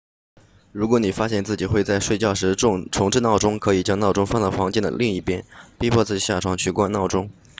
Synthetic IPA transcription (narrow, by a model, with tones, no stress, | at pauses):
ɻu˧˥kwɔ˧˥ni˨˩fa˥ɕjɛ˥˧nt͡sɹ̩˥˩t͡ɕi˨˩xwe˥˧ɪt͡sa˥˧ɪʂwe˥˧ɪt͡ɕjɑ˥˩ʊʂɻ̩˧˥ʈ͡ʂʰʊ˧˥ŋʈ͡ʂɻ̩˥˧nɑ˥˩ʊʈ͡ʂʊ˥ŋkʰɤ˧˥i˨˩t͡ɕjɑ˥ŋnɑ˥˩ʊʈ͡ʂʊ˥ŋfɑ˥˧nt͡sɑ˥˩ʊfɑ˧˥ŋt͡ɕi˥˩nd̪ə̰˩li˥˧ŋi˥˩pjɛ˥npi˥pʰwɔ˥˧t͡sɹ̩˥˩t͡ɕi˨˩ɕja˥˩ʈ͡ʂʰwɑ˧˥ŋt͡ɕʰy˥˩kwa˥nɑ˥˩ʊʈ͡ʂʊ˥ŋ